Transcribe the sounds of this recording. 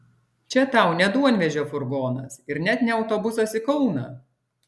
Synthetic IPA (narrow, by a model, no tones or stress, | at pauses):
t͡ʃʲɛt̪ɐˑʊnʲɛd̪uɔnʲʋʲɛʒʲoːfʊɾɡoːnɐ̰sɪɾnʲɛt̪nʲɛɐʊt̪oːbʊsosɪkɔʊnɐ